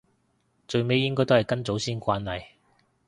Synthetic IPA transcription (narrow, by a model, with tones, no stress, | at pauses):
t͡ʃɵ˨˧ɥme˨˧jːɪ˥ŋkɔː˥jt̪o˥hɐ˨jkɐ˥nt͡so˨˥wsiː˥nkʷaː˧nːɐ˨j